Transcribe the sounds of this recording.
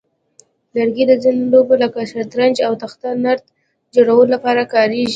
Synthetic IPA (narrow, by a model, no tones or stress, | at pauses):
laɾɡed̪əd͡zinolobolakaʃaɾt̪ɾand͡ʒawt̪axt̪anaɾt̪ | d͡ʒoɽawəlolapɑɾakɑɾeʒi